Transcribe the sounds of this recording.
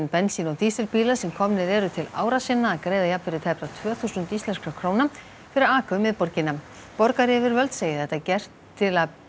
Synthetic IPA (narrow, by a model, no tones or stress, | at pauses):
npɛnsinɔt̪iːst̪ɪlpiːlasɛmkʰɔmnɪɾɛːɾʏt̪ʰɪla̰ːwɾasɪnːaːðkɾeːjðajapvɪɾɪt̪ʰɛpɾat̪ʰvœːθusʏnt̪ist̪lɛnskakʰɾoːwna | fɪɾɪɾaːkʏmːɪðpɔɾcɪna | pɔɾkaɾɪɛvɪɾvœlt̪seːjɪθɛht̪acɛr̥t̪ʰːɪla